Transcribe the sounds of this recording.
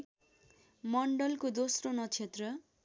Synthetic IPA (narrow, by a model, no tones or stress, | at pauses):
mʌɳɖʌlkod̪osronʌt͡sʰet̪rʌ